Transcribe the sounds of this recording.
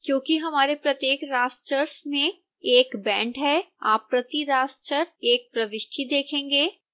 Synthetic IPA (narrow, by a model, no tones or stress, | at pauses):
kjõːkiɦɐmaːɾepɾɐt̪jeːkɾaːst͡ʃəɾsmẽ | eːkbɛ̃ːɳʈɦɛːa̰ːpːɾɐt̪iɾaːst͡ʃəɾeːk̚pɾɐʋɪʃʈʰid̪eːkʰẽːŋɡeː